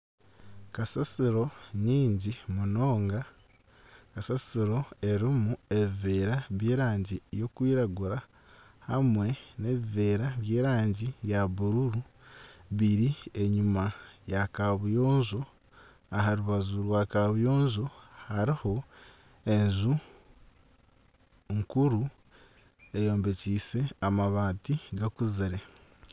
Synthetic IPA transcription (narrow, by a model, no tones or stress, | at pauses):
kasasiɾo̞ɲiːɲɟimuno̞ːŋɡa | kasasiɾo̞e̞ɾimue̞βiveːɾaβje̞ːɾaːɲɟijo̞kwiːɾaɡuɾa | hamwe̞ne̞βive̞ːɾaβje̞ːɾaːɲɟijaβuɾuɾu | βiɾie̞ɲumajakaβujo̞ːnzo̞ | aɦaɾuβazuɾwaːkaβujo̞ːnzohaɾiho̞ | e̞nzu | ŋkuɾu | e̞jo̞ːmbe̞ciːse̞amaβaːtiɡakuziɾe̞